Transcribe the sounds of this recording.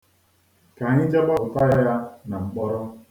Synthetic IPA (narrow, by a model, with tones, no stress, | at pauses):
ka˨ɲɪ˦d͡ʒa˦ɡ͡ba˦ʊ˨ta˦ja˦ja˦na˨ŋ͡m̩˨k͡pɔ˦ɾɔ˦